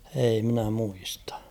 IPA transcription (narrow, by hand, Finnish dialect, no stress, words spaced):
ei mĭnæ muistɑ̥